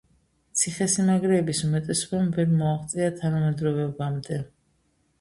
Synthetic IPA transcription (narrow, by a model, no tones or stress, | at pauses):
t̪sʰiχɛsimaɡɾɛːbisumɛt̪ʼɛsɔbamvɛɾmɔaχt̪sʼiat̪ʰanamɛd̪ɾɔvɛbamd̪ɛ